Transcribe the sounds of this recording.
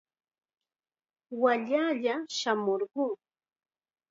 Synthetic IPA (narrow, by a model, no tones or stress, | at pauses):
waʎaːʎaʃamoɾɢʊː